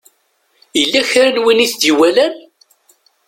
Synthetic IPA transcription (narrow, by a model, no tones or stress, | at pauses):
ilːæçɾənwiniθd̪iwælæn